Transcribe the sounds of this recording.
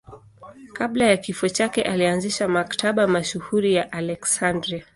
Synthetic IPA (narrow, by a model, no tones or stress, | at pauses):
kaɓlajakifɔt͡ʃakɛ̰ʔalianziʃamaktʰaɓamaʃuhuɾijaʔalɛksandɾia